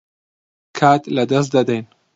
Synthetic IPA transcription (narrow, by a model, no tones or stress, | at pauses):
kʰaːt̪lɐd̪ɐs̬d̪ɐd̪ɐjn